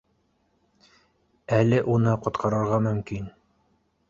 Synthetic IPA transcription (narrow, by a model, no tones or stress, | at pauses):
ælɘʔunɤqŏt̪qʰɑɾɤ̆ɾʁɑmɵ̆mkin